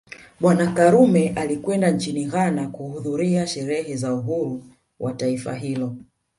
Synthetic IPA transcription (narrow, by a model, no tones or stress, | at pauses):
ɓwanakaɾumɛʔalikwɛndant͡ʃiniɣanakuhuðuɾiaʃɛɾɛɦɛzauɦuɾu | wʔataifa̰ɦilɔ